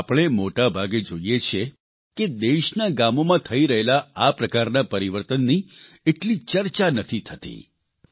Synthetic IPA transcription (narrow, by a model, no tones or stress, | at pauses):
apəɽ̃emoʈabʱaɡed͡ʒoijet͡ʃʰe | ked̪eʃnaɡamomãt̪ʰəiɾəɦelaapɾəkaɾnapəɾiʋəɾt̪ənːi | eʈlit͡ʃəɾt͡ʃanət̪ʰit̪ʰət̪ḭ